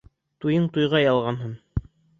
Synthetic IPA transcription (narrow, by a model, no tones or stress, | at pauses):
t̪ujɤɴt̪ujʁɑjɑlˠʁɑnɦɤn